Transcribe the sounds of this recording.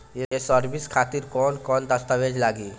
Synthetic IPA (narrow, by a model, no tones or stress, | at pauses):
jeesəɾʋiskʰat̪iːɾkɔnkɔnd̪əst̪əʋed͡ʑlaɡiː